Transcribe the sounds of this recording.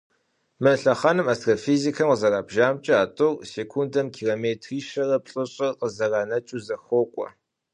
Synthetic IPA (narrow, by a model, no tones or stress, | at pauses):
mɐɬɐχɐnɨmastʰrafizikʰɐmqəzɐraːbʒaːmt͡ʃʼɪaːtʼʊrseːkʷʰundɐmkʰiːroːmeːtʰriːʃɐrɐpɬʼɨɕʼɐqəzɐraːnɐt͡ʃʼuzɐxʷɔkʷʼɔ̰